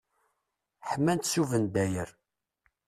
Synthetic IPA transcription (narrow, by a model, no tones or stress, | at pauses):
ħmːænt̪suvənd̪æjəɾ